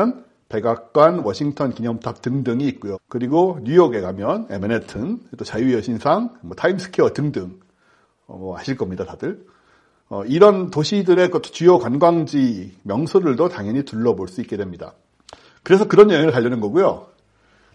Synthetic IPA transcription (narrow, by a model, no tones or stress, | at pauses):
ʌn | pe̞ɡak̚k͈wanwʌɕʰiŋtʰʌnkiɲʌmtʰap̚tɯŋdɯŋiːt̚k͈ujokɯɾiɡoɲujʌɡe̞ɡamjʌne̞̰menetʰɯnt͈ot͡ɕajujʌɕʰinsʰaŋmʌtʰaimsʰɯ̥kʰiʌtɯŋdɯŋ | ʌ̰mʌa̰ɕʰiɭk͈ʌmɲidatadɯɭ | ʌiɾʌntoɕʰidɯɾe̞kɯtʰt͡ɕujʌkwanɡwaŋd͡ʑimjʌŋsʰodɯɭdotaŋɦjʌɲituɭːʌboɭs͈uik͈e̞dwe̞mɲida̰ | kɯɾe̞sʰʌkɯɾʌnjʌʌnɯɭpaʎːʌnɯnɡʌɡujo